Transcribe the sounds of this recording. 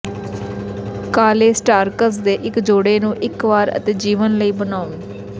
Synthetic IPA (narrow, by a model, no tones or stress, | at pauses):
kaːleːsʈaːɾkəs̬d̪eːʔɪkd͡ʒoːɽeːnũːʔɪkʋaːɾə̰t̪eːd͡ʒiːʋənləiːbənaːũ